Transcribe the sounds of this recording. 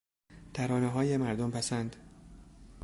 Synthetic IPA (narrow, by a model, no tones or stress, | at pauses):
t̪ʰæɾɒːneɦɒːjemæɾd̪ompʰæsænd̪